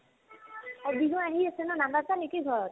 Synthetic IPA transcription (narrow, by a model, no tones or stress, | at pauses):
ɔbʱiɦũaɦiasenɔnambatanikiɡʱɔɹɔt̚